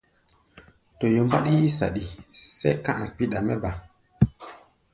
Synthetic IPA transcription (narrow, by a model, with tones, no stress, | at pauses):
to˨jo˨mba̰˦ɗi˦ji˦sa̰˨ɗi˨sḛ˦kã˦ʔa˨k͡pi˦˨ɗa˨mɛ˦ba˨